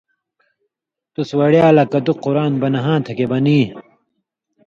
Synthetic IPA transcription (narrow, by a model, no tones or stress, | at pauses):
t̪uswɐɽjaːlɐkɐd̪uqːuɾaːnbɐnɐɦãːt̪ʰɐkebɐniː